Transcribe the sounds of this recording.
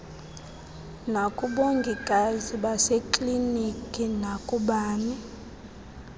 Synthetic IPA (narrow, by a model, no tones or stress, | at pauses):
nakʼuɓoŋɡʱikʼaziɓasekʼlinikʼinakʼuɓaːni